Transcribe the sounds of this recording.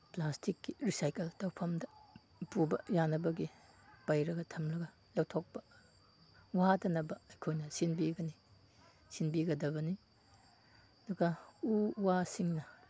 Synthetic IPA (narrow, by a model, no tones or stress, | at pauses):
plastikːiɾisajkeltɐwpʰɐmdɐ | pubɐjanɐbɐɡi | pajɾɐɡɐtʰɐmlɐɡɐ | lɐwtʰok̚pɐ̥ | waadɐnɐbɐːjkʰojnɐsinbiɡɐni | sinbiɡɐdɐβɐni | ɐduɡɐuwasiŋnɐ